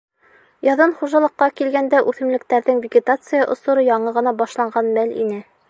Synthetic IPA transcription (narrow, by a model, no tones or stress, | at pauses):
jɑðɤnχuʒɑlˠɤ̆qːɑkilɡænd̪æʔʉθɘ̆mlɘ̆k̚t̪æɾðɘŋvʲɪɡʲɪt̪at̪sɨjɑʔŏsŏɾɤjɑɴɤʁɤ̆nɑbɑʃlˠɑɴɢɑnmælḭnɘ